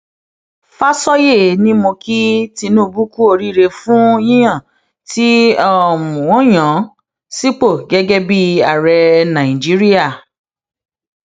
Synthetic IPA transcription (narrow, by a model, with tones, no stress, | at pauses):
fa˦sɔ˦je˦˨nĩ˦mõ˧ki˦ti˧nũ˦˧bu˦ku˦o˧ɾi˦˨ɾe˧fũ˦ĩ˦j̃ã˦˨ | ti˦ɔ˦˨mũ˨wɔ̃˨˦j̃ã˨˦ | si˦k͡po˦˨ɡɛ˦ɡɛ˦bi˦a˨ɾɛ˧nã˨i˨d͡ʒi˦ɾi˦a˦˨